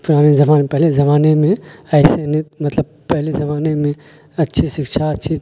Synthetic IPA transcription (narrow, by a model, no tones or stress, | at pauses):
pɪɾaːnizɐmaːnepɐɦlezɐmaːnemẽɐɪsenemɐt̪ləb̚pɐɦlezɐmaːnemẽ | ɐtːʃʰisɪkʃʰaɐtːʃʰi